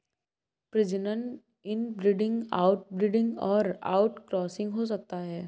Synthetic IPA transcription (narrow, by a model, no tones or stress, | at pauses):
pɾɪd͡ʒɪnən | ɪnbɾɪɖɪ̃ŋɡa̰ːʊʈ̚bɾɪɖɪ̃ŋɡɔːɾa̰ːʊʈkɾɔːsɪ̃ŋɡɦos̬ɐk̚t̪aɦɛː